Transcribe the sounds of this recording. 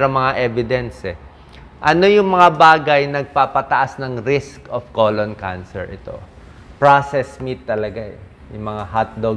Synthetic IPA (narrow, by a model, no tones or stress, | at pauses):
ɾoŋmɐŋaʔɛvɪd̪ɛnsɛ | ʔɐno̞jʊŋmɐŋabaːɡɐjnɐɡ̚papɐt̪ɐʔasnɐŋɾiskofkoːlonkansɛɹʔɪt̪o̞̰ | pɹasɛsmit̪ːɐlɐɡaɛ | jʊŋmɐŋahat̪̚lo